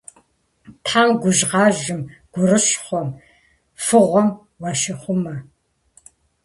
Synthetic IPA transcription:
tħaːmɡʷʊʒʁɑːʒɪmɡ̥ʷʊrɨɕχʷɔm | fɨʁʷɔm | wɐʃɪχʷʊmɐ

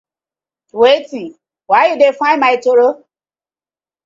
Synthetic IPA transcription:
weti | waudefaɪmaitoɾo

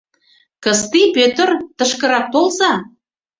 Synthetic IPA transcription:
kəst̪ipøt̪ərt̪ə̆ʃkə̆ɾɑk̚t̪olzɑ

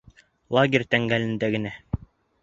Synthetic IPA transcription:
lˠaɡʲerʲt̪æŋɡælɘ̆nd̪æɡɘ̆næ

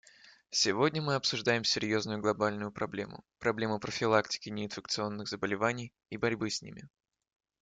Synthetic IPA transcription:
sʲɪvo̞dʲnʲəmɨɐpsʊʐd̪ajɪmsʲɪɾʲjo̞znʊjʊɡlˠɐbalʲnʊjʊpɾɐblʲe̞̰mʊ̰pɾɐblʲe̞mʊpɾəfʲɪlˠaktʲɪ̥kʲɪnʲɪɪnfʲɪk̚t̪sɨo̞nːɨɣzəbəlʲɪvanʲɪj | ibɐɾʲbɨsʲnʲḭmʲɪ

